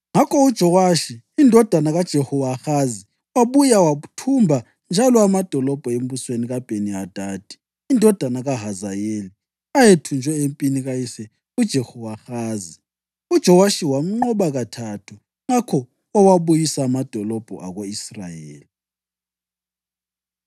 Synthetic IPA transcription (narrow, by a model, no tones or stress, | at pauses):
ŋakʰɔud̥ʒ̥ʱɔwaʃiːndʱɔd̥ʱanaɣad̥ʒ̥ʱehɔwaxazi | waβujawautʰumbʱa | nd͡ʒʱalɔamad̥ʱɔlɔb̥ʱɔem̩βusweniɣab̥ʱeniad̥ʱaːd̥ʱi̥ː | ndʱɔd̥ʱanaɣaɦazajeli | ajetʰund͡ʒʱwɛempʼiniɣajisɛ | ud̥ʒ̥ʱehɔwaxaːzi | ud̥ʒ̥ʱɔwaʃiwam̩ŋ͡ǃɔɓaɣatʰatʰu | ŋakʰɔ | awaβujisaːmad̥ʱɔlɔb̥ʱɔ̰ʔa̰ɣoisra̰jḛːli